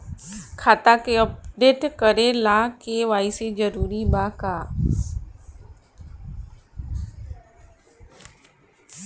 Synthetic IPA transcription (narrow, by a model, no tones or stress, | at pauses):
kʰaːt̪akeəp̚ɖeːʈkəɾẽlaːkeʋaːɪsed͡ʒəɾuːɾibaːkaː